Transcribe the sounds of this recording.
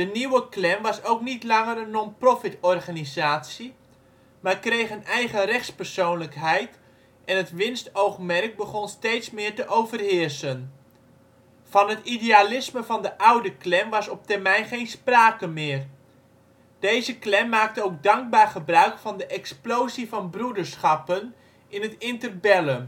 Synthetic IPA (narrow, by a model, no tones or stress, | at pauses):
dəniwəklɛmʋɑsowknitlɑŋərənːɔnprɔfɪtɔrχanizaːtsi | maːrkrejχənɛjχərɛχtspərsownləkɦɛjt | ʔɛnɦətʋɪnstowχmɛrk̚bəχɔnstejtsmɪːɹtəʔowvərɦɪːɹsən | v̥ɑnɦətidealɪsməvɑndəʔɑwdəklɛmʋɑsɔp̚tɛrmɛjnχejnspraːkəmɪːər | d̥ejzəklɛmːaːk̚təowɡ̚dɑŋɡ̚baːrχəbrœɥkfɑndəʔɛksplowzivɑnbrudəɹsχɑpən | ɪnətɪntərbɛlə